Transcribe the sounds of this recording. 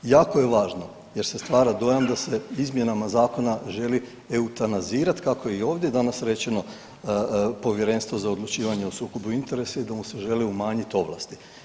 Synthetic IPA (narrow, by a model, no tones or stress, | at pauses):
jaːko̞je̞ʋaːʒno̞ | je̞ɾse̞st̪ʋaːɾad̪o̞jamd̪ase̞izmje̞namazaːko̞naʒe̞li | eut̪anaziːɾat̪kako̞jeio̞ːʋd̪je̞d̪anasɾe̞t͡ɕe̞no̞ | po̞ʋje̞ɾenst̪ʋo̞zaod̪lˠut͡ʃiːʋaɲeosuːko̞buint̪e̞ɾe̞said̪amuse̞ʒe̞liumaːɲit̪o̞ʋlˠa̰st̪i